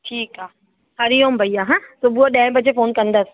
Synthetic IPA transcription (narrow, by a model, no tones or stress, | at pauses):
ʈʰiːkaː | hɐɾijõːmbʱɐjaɦãt̪oːbuaɗɛ̃ːbəd͡ʒefoːnkɐ̃nd̪əs